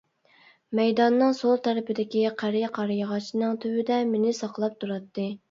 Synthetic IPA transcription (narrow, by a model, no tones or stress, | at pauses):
mɛjd̪ɑnːɨŋsolˠt̪ʰæɾɪpɪd̪ɪkʲiqʰæɾjɪqʰɑɾjəʁɑʃnɨŋt̪ʰywɪd̪ɛmenɪsɑqlˠɑp̚t̪ʰuɾɑt̪ʰːɨ